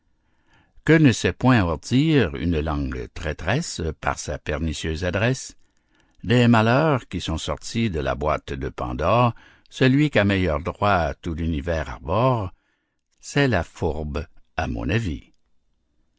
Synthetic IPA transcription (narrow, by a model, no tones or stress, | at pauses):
kənəsɛpwɛ̃ɔʁd̪iʁy̰nlɑ̃ɡt̪ʁɛt̪ʁɛspa̰ʁsapɛʁnisjøːzad̪ʁɛs | d̪ɛmalœʁkʲisɔ̃sɔʁt̪id̪əla̰bwaːt̪d̪əpɑ̰̃d̪ɔːʁ | səlɥikʲamɛjœʁd̪ʁwaat̪ulynivɛːʁa̰ʁbɔːʁ | sɛlafuʁbamɔ̰̃navi